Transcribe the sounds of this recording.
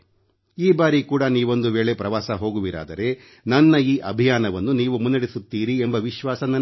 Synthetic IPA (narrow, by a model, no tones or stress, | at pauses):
iːbaːɾikuːɽɐniːʋo̞nd̪uʋe̞ːɭe̞pɾɐʋaːsɐɦo̞ːɡuʋiɾa̰ːd̪ɐɾe̞ | nɐnːɐiːʔɐbʱijaːnɐʋɐnːuniːʋumunːɐɽisut̪ːiːɾiembɐʋiʃʋaːsɐnɐn